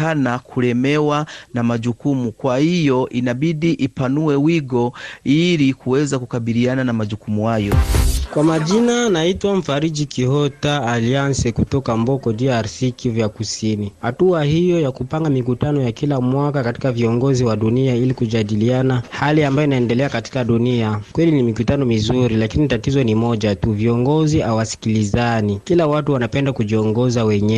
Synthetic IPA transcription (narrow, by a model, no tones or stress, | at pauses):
anakʰuɾɛmɛwanamaʄukumukwahijɔʔinaɓiɗiʔipanuwɛwiɡɔilikuwɛzakukaɓiliananamaʄukumuhajɔkwamaʄinanaitwam̩faɾiʄikʰihɔtaːliansɛkutɔkambɔkɔdiaɾsikivjakusinihatuahijɔjakupaŋɡamik̬utanɔjakilamwakakati̥kaviɔŋɡɔziwaɗuniailikuʄaɗilianahaliambajɔinaɛndɛlɛakati̥kaɗuniakwɛlinimikutanɔmizuɾilakinitatizɔnimɔʄatuviɔŋɡɔziawasi̥kilizanikilawatuwanapɛndakuʄiɔŋɡɔzawɛɲɛ